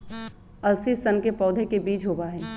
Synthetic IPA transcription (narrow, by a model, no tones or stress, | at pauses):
ɐlsisɐnkepɔːd̪ʱekebiːt͡ʃɦoːbaɦɛː